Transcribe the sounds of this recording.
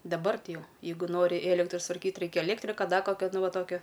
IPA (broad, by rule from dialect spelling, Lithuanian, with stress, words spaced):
dɐˈbɐr ˈtʲɪ ˈjɛʊ ˈjɛɪɡʊ ˈnoːrʲɪ ˈeːlʲɛktrɐ sʊtʋɐrʲˈkʲiːt ˈrʲɛɪkʲɛ ɛˈlʲeːktʲrʲɪkɐ ˈdɐ ˈkoːkʲoː ˈnʊ ˈʋɐ ˈtoːkʲoː